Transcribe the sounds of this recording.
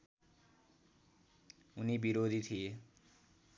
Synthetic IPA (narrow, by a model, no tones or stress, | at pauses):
unibiɾod̪ʱit̪ʰije